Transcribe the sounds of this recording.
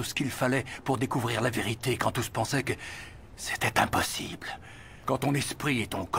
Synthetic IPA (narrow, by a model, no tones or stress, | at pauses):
sə̥kilfalɛpuʁd̪ekuvʁiʁlaveʁit̪ekɑ̃t̪uspɑ̃sɛkə | se̥t̪ɛt̪ɛ̰̃pɔsibl | kɑ̃t̪ɔ̃nɛspχiet̪ɔ̃k